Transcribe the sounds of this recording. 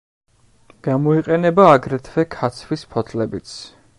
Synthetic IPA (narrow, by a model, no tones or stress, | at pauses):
ɡ̥amɔiqʼɛnɛbaːɡɾɛt̪ʰvɛkʰat̪sʰvispʰɔt̪ʰlɛbit̪sʰ